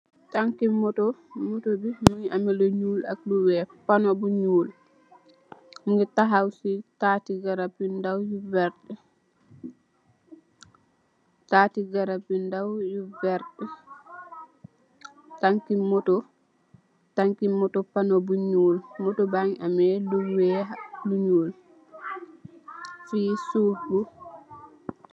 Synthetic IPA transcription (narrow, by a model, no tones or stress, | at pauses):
taŋkimɔtɔmɔtobimuŋamɛlɔɲuːla̰k̚duwɛpanɔbuɲuːl | muɡɛtaɦawsitaːtiɡaɾapindawjuvɛɾɗɛ | tatiɡaɾabindawjuvɛɾɗɛ | taŋkimɔtɔ | taŋkimːɔtɔpanobuɲuːlmɔtɔbaŋamɛluwɛaluɲuːl | fiːsubu